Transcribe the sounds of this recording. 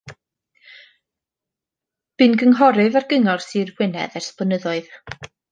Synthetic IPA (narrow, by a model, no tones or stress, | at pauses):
b̥ɨnɡəŋɦɔɾɨvarɡəŋɔrsɨrwɪnɛ̰ðɛrspənəðɔɨð